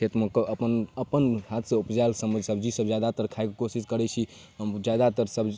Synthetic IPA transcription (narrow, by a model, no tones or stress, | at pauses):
et̪mokəəpənəpənɦat̪ʰsẽupd͡ʒajlsəməd͡ʒʱsəbd͡ʒisəbd͡ʒjad̪at̪əɾkʰajkkosiskəɾɛt͡ʃʰi | ɦəmd͡ʒad̪at̪əɾsəb